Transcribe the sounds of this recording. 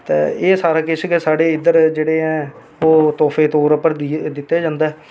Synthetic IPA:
t̪ḛːeːsaːɾaːkɪskesaːɽeːɪd̪əɾd͡ʒeːɽeːɦɛ̃ː | oːt̪ɔːpʰeːt̪oːɾəpːəɾd̪ɪt̪ːeːd͡ʒãːnd̪aːɛ

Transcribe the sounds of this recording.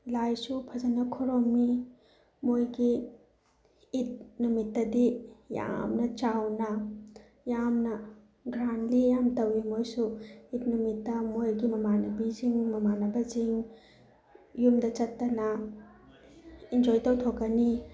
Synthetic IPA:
lajsupʰɐd͡ʒɐnɐkʰoɾoŋmi | mojɡi | t̚numitːɐdija̰mnɐt͡ʃawnɐ | jamnɐ | ɡɾanlijamtɐwimojsuit̚numitːɐmojɡimɐmanɐbiziŋmɐmanɐbɐziŋ | jumdɐt͡ʃɐtːɐnɐ | ind͡ʒojtɐwtʰokːɐni

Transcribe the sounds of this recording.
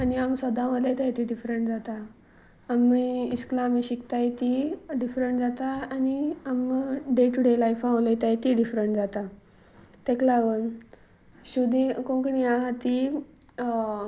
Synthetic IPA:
aniamsəd̪ãlejt̪ajt̪iɖifɾeɳʈd͡zat̪a | amːiisklaːmiɕikt̪ajt̪iɖifɾeɳʈd͡zat̪aːniamɖeʈuɽelajfãʋlejt̪ajt̪iɖifɾeɳʈd͡zat̪a | t̪ɛklaɡən | ɕud̪ĩkõkəɳiaɦat̪i

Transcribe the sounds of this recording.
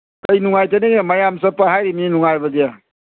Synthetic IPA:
kəjnuŋajtaneɡamɐjamsɐpaɦajɾiminuŋajbɐdija

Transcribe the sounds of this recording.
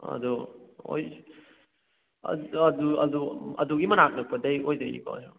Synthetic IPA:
ɐ̰duo̰j | ɐ̰ɐduɐ̰duɐ̰duɡimɐnak̚nɐk̚pɐdɐjojdɐjnḭpa̰jo

